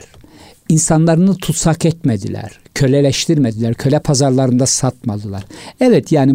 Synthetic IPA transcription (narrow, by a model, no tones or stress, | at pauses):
ɾ | insanlˠaɾɯnɯt̪ʰut̪sakɛt̪med̪ḭlʲæ̰ɾ̥cʰølʲɛlʲɛʃt̪ʰiɾmɛd̪ilʲæɾcʰø̞lʲɛpʰazaɾlˠaɾɯnd̪asat̪mad̪ɯlˠa̰ɾɛvɛt̪ʰjaːni